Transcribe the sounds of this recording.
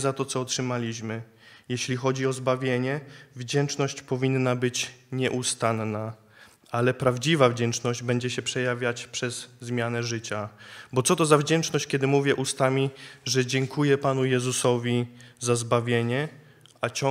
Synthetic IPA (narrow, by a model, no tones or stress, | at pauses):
zat̪ɔt̪sɔːtʂɘmalʲiɕmɘ | jɛɕlʲixɔd͡ʑiɔzbavʲjeɲɛvd͡ʑɛnt͡ʂnɔɕt͡ɕpɔvʲinːabɘt͡ɕɲɛʔust̪anːa | alɛpɾavd͡ʑivavd͡ʑɛnt͡ʂnɔʑd͡ʑbɛɲd͡ʑɛɕɛpʂɛjavʲjat͡ɕpʂɛzːmʲjanɛʐɘt͡ɕabɔt̪sɔt̪ɔzavd͡ʑɛnt͡ʂnɔɕt͡ɕkʲɛd̪ɘmuvʲjɛʔust̪amʲiʐɛd͡ʑɛŋkʰujɛpanujɛzusɔvʲizazbavʲjeɲɛ | at͡ɕɔ